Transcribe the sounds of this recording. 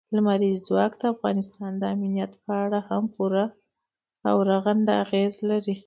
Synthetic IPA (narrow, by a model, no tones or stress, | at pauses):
lamaɾizd͡zwɑkd̪əafɣɑnɪst̪ɑnd̪əaminijat̪pəaɽahampuɾa | awɾaɣand̪aaɣezlaɾi